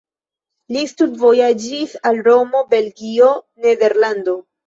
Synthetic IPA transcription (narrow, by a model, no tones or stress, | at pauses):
listudvo̞jad͡ʒisalɾo̞mo̞be̞lɡio̞ | ne̞de̞ɾlando̞